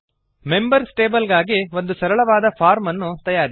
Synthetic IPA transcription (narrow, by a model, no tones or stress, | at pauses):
me̞mbɐɾsʈeːbɐlɡaːɡiʋo̞nd̪usɐɾɐɭɐʋaːd̪ɐpʰaːɾmɐnːut̪ɐjaːɾi